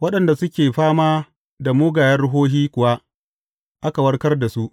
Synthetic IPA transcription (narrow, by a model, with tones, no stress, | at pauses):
wɐ˦ɗɐ˨nda˨sʊ˦kʲeː˨ɸaː˦maː˦ | da˨moː˦ɡaː˨jɐ˦rɽʊ˦ɦoː˦ɦiː˦kʷʊ˨wa˦ | ʔa˦ka˨wɐ˦rkɐ˦rda˨su˦ʔ